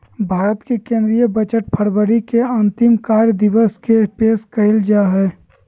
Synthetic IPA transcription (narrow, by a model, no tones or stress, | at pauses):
bʱaːɾət̪kekẽːnd̪ɾijəbət͡ʃəʈ̚pʰəɾbəɾikeɐnt̪ɪmkaɾjəd̪ɪʋəskepeːskəɪld͡ʒaɦɛː